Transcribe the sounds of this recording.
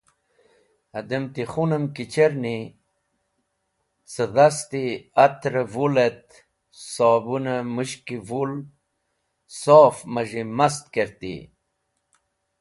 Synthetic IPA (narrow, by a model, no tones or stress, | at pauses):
ɐd̪emt̪iχunəmkit͡ɕeɾni | t͡səʁast̪iat̪ɾəvulet̪ | sɑːbunəmuɕkivul | soːfməʒimast̪̚keɾt̪ḭ